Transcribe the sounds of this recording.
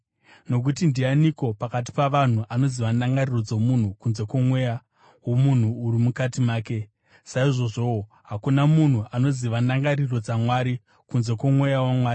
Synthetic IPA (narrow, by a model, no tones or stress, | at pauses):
no̞k̬utindianiko̞pakat̬i̥paʋan̤uʔano̞ziʋanaŋɡariro̞d͡zomun̤ukunze̞kwo̞mwe̞ja | wo̞mun̤uːɾimukatimaːke̞ | saiʐo̞ʐo̞o | ɦakunamun̤uʔano̞ziʋanaŋɡariro̞d͡zamwaɾi | kunze̞kwomwe̞jawamwaːri